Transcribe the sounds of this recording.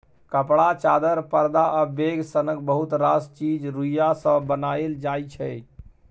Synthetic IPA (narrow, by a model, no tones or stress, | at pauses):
kəpɽat͡ʃad̪əɾpəɾd̪aʔəbeɡsənək̚bəɦut̪ɾast͡ʃid͡ʒɾujasə̃bənaeld͡ʒajt͡ʃʰɛ